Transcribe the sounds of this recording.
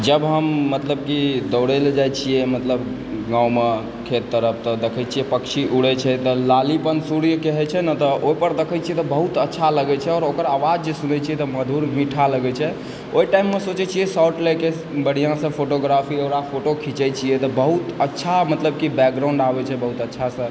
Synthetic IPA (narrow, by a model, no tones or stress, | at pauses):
d͡ʒəbɦəmːət̪ləb̚kid̪əʊɽɛld͡ʒajt͡ʃʰijɛmət̪ləb | ɡãwme | kʰet̪ːəɾəpʰt̪ɔd̪ekʰɛt͡ʃʰijɛpəkt͡ʃʰiʔuɽɛt͡ʃʰɛt̪ɔlalipənsuɽjəkeɦɛt͡ʃʰɛnət̪ɔoipəɾd̪ekʰɛt͡ʃʰiɛt̪ɔbəɦut̪ətːʃʰaləɡɛt͡ʃʰɛɔːɾokəɾaʋad͡ʒd͡ʒesunɛt͡ʃʰiɛt̪ɔməd̪ʱuɾmiʈʰaləɡɛt͡ʃʰɛ | oiʈaimːesot͡ʃɛt͡ʃʰijɛsawʈlɛke | bəɽ̤ijãsə̃pʰoʈoɡɾapʰioɾapʰoʈokʰit͡ʃɛt͡ʃʰijɛt̪ɔbəɦut̪ətːʃʰamət̪ləb̚kibɛk̚ɡɾãʊ̃ɳɖabɛt͡ʃʰɛbəɦut̪ətːʃʰasə̃